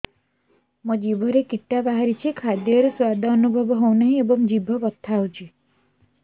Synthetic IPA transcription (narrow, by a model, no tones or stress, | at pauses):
mɔd͡ʒibʱɔɾekiʈːabaɦaɾit͡ʃʰikʰad̪jɔɾeswad̪ʱɔːnubʱɔbɔɦownaɦĩebɔŋd͡ʒibʱɔbɔt̪ʰːawt͡ʃʰi